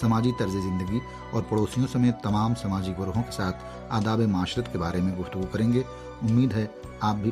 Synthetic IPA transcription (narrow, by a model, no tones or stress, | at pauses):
sɐmaːd͡ʒit̪ɐɾzezɪ̃nd̪əɡi | ɔːɾpɐɽoːsijõsɐmeːt̪ːɐmaːmsɐmaːd͡ʒikɡəɾɦõke̥saːt̪ʰ | aːd̪aːbemaːʃɾət̪kebaːɾemẽɡʊft̪əɡukɐɾẽːŋɡeː | ʊmːiːd̪ɦɛ | aːp̚bʱi